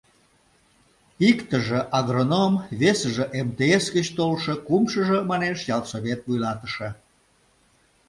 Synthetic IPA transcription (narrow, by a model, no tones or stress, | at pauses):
ikt̪əʒəʔɑɣronomβesəʒəʔemt̪eesɡət͡ɕt̪olʃəkumʃəʒə̆mɑneʃjɑlˠsoβʲet̪vujlɑt̪ə̥ʃə̆